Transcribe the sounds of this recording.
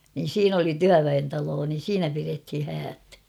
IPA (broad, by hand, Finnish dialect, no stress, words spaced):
niːn̞ siːn oli tyæʋæentɑloː niːn̞ siːnæ pirethi hæːt